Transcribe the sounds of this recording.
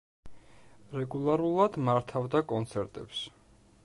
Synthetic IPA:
ɾɛɡulˠaɾulˠad̪maɾt̪ʰavd̪akʼɔnt̪sʰɛɾt̪ʼɛps

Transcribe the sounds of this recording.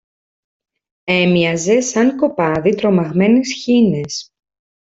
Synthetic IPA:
e̞miɐze̞sɐŋko̞pɐðit̪ɾo̞mɐɣme̞nisçine̞s

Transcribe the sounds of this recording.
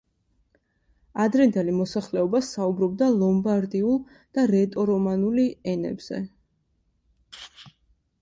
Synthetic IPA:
ad̪ɾɛnd̪ɛlimɔsaχlɛɔbasaubɾɔb̚d̪alˠɔmbaɾd̪iulˠ | d̪̥aɾɛt̪ʼɔɾɔmanuliɛnɛ̰bz̥ɛ̰

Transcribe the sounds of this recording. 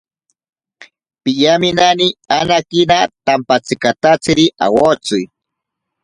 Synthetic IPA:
pɪʎamɪnanianakɪnat̪ampat͡sɪkat̪at͡sɪɾɪʔa̰wot͡sʊj

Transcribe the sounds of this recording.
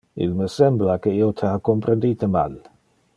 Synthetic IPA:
ḭlməsɛmblakəiːot̪ʰəakompɾend̪iːt̪əma̰l

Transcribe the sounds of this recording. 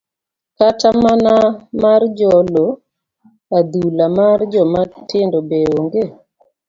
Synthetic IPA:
katamanamard͡ʒɔlo | ad̪ulamard͡ʒɔmatʰɪndɔbeoŋɡe

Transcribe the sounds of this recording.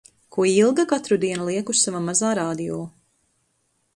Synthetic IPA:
kuɔilˠɡakat̪ɾud̪iɛnulˠiɛkusavamazaːɾaːd̪ijɔː

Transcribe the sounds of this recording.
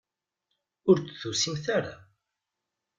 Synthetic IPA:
ʊɾt͡sθusimθaɾa̰

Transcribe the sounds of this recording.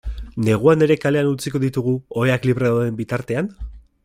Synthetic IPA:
ne̞ɣ̞uane̞ɾe̞kaleanut͡siko̞ðit̪uɣ̞uoeakliβre̞ðawðe̞mbit̪aɾt̪e̞an

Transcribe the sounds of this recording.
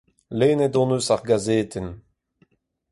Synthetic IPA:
leːnɛdɔ̃nøsaʁɡazeːt̪ɛn

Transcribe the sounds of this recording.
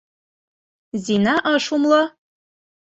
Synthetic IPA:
zʲinɑʔɒʃumlˠɑ

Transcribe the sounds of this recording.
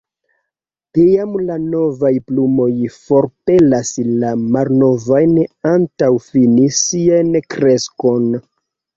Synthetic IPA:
tiamlano̞vajplumo̞jfo̞ɾpe̞laslamalno̞vajnantawfinisiankɾe̞sko̞n

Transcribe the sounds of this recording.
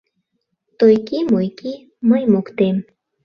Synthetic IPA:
t̪ojkimujki | məjmukt̪em

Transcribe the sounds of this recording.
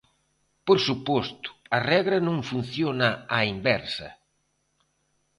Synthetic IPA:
poɾsupɔst̪ʊ̥ɐrɛɣɾɐnõŋfun̟θjonɐaimbɛɾsɐ̰

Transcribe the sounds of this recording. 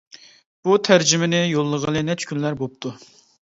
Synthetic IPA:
b̥ut̪ʰæɾd͡ʒɪmɪnɪjolˠːəʁənɨnɛt͡ʃʰkʲʰynlæɾbop̚t̪ʰu

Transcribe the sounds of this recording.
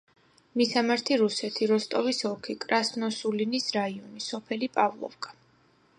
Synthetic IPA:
misamaɾt̪ʰiɾusɛt̪ʰiɾɔst̪ʼɔvisɔkʰikʼɾasnɔsulinisɾaiɔnisɔpʰɛlipʼavlˠɔ̰fkʼḁ

